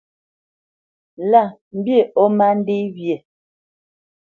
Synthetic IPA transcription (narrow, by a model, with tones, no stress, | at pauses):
la˦˨m̩˦bje˦˨ʔɔ˦ma˦n̩˦de˦bje˨